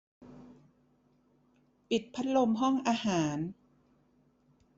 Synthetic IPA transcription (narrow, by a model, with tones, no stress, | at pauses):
pi˨˩t̪̚pʰa˦˥t̪̚lo˧mɦɔ˥˩ŋʔaː˧haː˩˦n